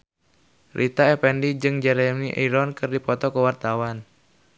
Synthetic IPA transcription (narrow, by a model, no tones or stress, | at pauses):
rʔit̪aɛpɛndid͡ʒɨŋd͡ʒɛɾɛmniʔiɾɔnkɨrdipɔt̪ɔkəwart̪awan